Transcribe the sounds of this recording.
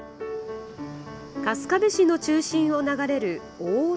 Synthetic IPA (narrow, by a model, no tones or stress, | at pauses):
kasɨ̥kabeɕino̞t͡ɕɨːɕĩɰ̃o̞naɡaɾe̞ɾɯ̟ | oː